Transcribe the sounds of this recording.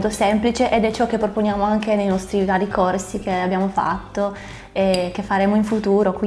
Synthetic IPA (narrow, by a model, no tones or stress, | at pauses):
t̪osemplit͡ʃeʔed̪ɛt͡ʃːɔk̟ːepːɾoponjaːmoaŋkenejnɔst̪ɾiɡadikorsikeabjaːmofa̰t̪ːo | ek̟efːaɾeːmoiɱfut̪uːɾokwi